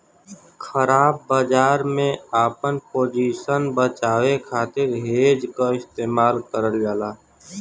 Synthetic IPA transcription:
xʰəɾaːb̚ːaːd͡ʒaːɾmẽaːpənpoːd͡ʒiːʃənbət͡ʃaːwekʰaːt̪ɪɾɦeːd͡ʒkaɪst̪eːmaːlkəɾəlɡaːlaː

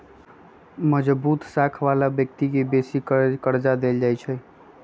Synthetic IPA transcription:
məd͡ʒbut̪sakʰʋalabjək̚t̪ikebesikkəɾd͡ʒad̪eld͡ʒajt͡ʃʰɛ

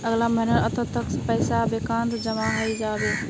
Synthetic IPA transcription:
ɐɣlamɐnəɾɐt̪ʰət̪ɐkspɛːsabeːkãːnd̪d͡ʑɐmaɦaːid͡ʒaːʋeː

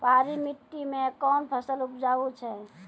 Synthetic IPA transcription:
paɾimit̪ːimekɔnpʰəsəlupd͡ʒaut͡ʃʰɛ

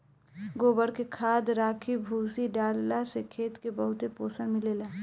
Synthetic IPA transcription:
ɡoːbəɾkekʰaːd̪ɾaːkʰibʱuːsiɖaːlːasekʰeːt̪kebəɦʊt̪epoːsənmeleːlaː

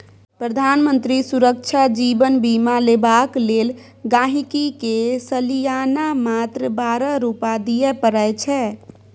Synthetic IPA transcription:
pɾəd̪ʱanmənt̪ɾisuɾəkt͡ʃʰad͡ʒibənbimalebaklel | ɡãɦikikesəlijanamat̪ɾəbaɾəɾupad̪ijɛpəɾəjt͡ʃʰɛ

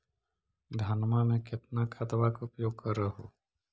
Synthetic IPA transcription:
d̪ʱanmamẽkɪt̪nakʰɐd̪ʋakʊpjoːɡ̚kəɾəɦoː

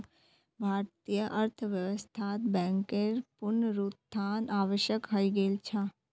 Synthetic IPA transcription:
bʱaːɾt̪ijəʔəɾt̪ʰəʋjəʋəst̪ʰaːt̪bɛ̃ːŋkeɾpʊɾnɾuːt̪t̪ʰːaːnaːʋəʃjəkɦəiɡeːlt͡ʃʰaː

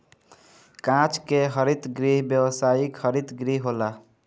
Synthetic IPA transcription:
kãt͡ʃkeɦəɾit̪ɡɾiɦbjəwəsajikhəɾit̪ɡɾiɦɦola

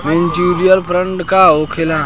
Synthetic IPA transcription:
menʈiɾijəlpʰɾəɳʈkaokʰelã

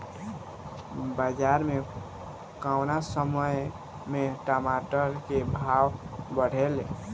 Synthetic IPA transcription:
bad͡ʒaɾme | kawnasəməj | meʈamaʈəɾkebʱawbəɽ̤ʱele

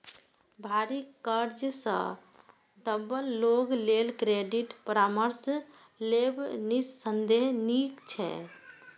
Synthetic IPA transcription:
bʱaɾikːəɾd͡ʒsə̰̃ | d̪əbəlːoɡlelkɾeɖiʈpəɾaməɾs | lebnisːənd̪eɦnikt͡ʃʰɛ̰

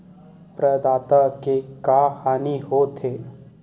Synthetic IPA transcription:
pɾəd̪aːt̪akekaːhaːniɦot̪ʰeː

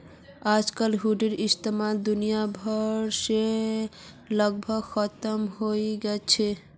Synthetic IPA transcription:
ad͡ʒkəlɦuɖeɾist̪emald̪unijabʱɔɾʃe | lʌɡbʱʌɡxʰɔt̪ɔmɦojɡɛt͡ʃʰe

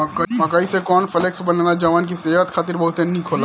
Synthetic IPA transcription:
mɐkaːisekɔːnfʰɐleksbɐnanad͡ʒɐʋaːnk̬iseːʋət̪xʰaːt̪ɪɾbɐɦʊt̪ẽnnĩkʰoːla

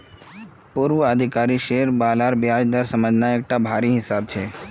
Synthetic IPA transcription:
poɾʋuəd̪ʱɪkaːɾiʃeːɾbaːlaːɾbɪaːd͡ʒd̪əɾsəməd͡ʒʱnaeːk̚ʈabʱaːɾiɦɪsaːbt͡ʃʰeː

